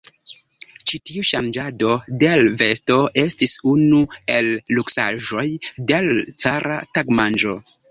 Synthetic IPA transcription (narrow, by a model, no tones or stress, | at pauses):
t͡ʃitiuʃand͡ʒado̞de̞lve̞sto̞ʔe̞stisunue̞lːuksa̰ʒo̞jdelt͡saɾʔa̰taɡmand͡ʒo̞̰